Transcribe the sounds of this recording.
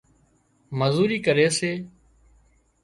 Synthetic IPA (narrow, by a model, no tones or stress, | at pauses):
məzuːɾiːkəɾeːseː